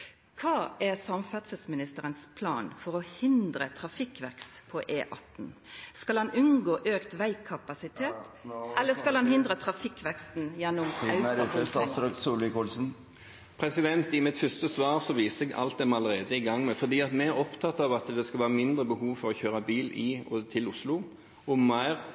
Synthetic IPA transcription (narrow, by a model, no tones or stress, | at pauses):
kʰɑːæsɑmfæt̪səsmɪnɪst̪əɾənspʰlɑ̰ːnfɔɾɔhɪnd̪ɾət̪ʰɾɑfɪkʋɛkst̪pʰɔʔeːʔɑt̪nskɑlhɑnʉnɡoːʔøːkt̪ʋæɪkʰːɑpɑsɪt̪ʰeːt̪ʔɛlːəskɑlhɑnhɪnd̪ɾət̪ʰɾɑfɪkːʋɛkst̪njɛnːʊmɑʉɾəst̪ɑːsɾøːksuːlɪkulsn̩ | pʰɾɛsɪd̪ɛnt̪ɪmɪt̪fœst̪əsʋɑːʁsɔʋiːst̪ɛɡɑ̰lt̪̚d̪ɛmɑləʁeːd̪əɪɡɑŋːmɛfɔd̪iːɑt̪mɛæɾɔpt̪ʰɑt̪ɑʋɑt̪d̪ɛskɑlʋɑːʁmɪnd̪ɾəbəhuːʋfɔɾɔçøːɾɑbiːlɪɔt̪ʰɪlʊslʊ | ɔmæɪʁ